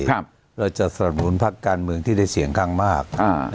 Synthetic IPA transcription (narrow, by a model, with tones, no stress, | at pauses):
ɾa˧wt͡ɕa˨˩ʔsa˧na˨˩p̚nu˨˦˥npʰa˦˥kːaː˧nmɯ˧əŋt̪ʰiː˥˩da˥˩jsi˩˦əŋkʰaː˥˩ŋmaː˥˩k̚ː